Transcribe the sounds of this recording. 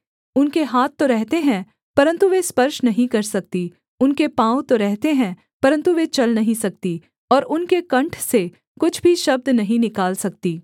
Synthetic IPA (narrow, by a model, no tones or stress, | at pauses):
ʊnkeɦaːt̪ːoɾɛɦt̪eɦɛ̃ | pɐɾə̃nt̪uʋespɐɾʃnɐɦĩkɐɾsɐk̚t̪i | ʊnkepãːw̃t̪oɾɛɦt̪eɦɛ̃ | pɐɾə̃nt̪uʋet͡ʃɐlnɐɦĩsɐk̚t̪i | ɔːɾʊnkekɐ̃ɳʈʰse | kʊt͡ʃʰbʱiʃɐb̚d̪nɐɦĩnɪkaːlsɐk̚t̪iː